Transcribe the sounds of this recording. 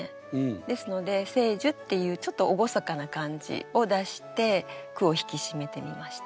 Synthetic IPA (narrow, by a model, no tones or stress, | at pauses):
e | d̪e̞sɨno̞d̪e̞se̞ːʑɨt̪ːe̞jɯ̟ːt͡ɕo̞t̪ːo̞oɡo̞sakanakãɲ̟d͡ʑḭo̞d̪aɕi̥t̪e̞kɯ̟o̞çi̥kʲiɕime̞t̪e̞mʲimaɕi̥t̪